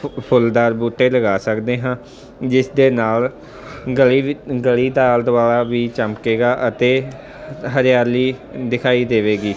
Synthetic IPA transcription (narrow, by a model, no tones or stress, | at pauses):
pʰʊld̪aːɾbuːʈːeːləɡaːsəkd̪eːɦãː | d͡ʒɪsd̪eːnaːl | ɡəliɡəliːd̪aːld̪aːɭaːʋiːt͡ʃəmkeːɡaːʔət̪eː | ɦəɾɪjaːɾliːd̪ɪkʰaːiːd̪eːʋeːɡiː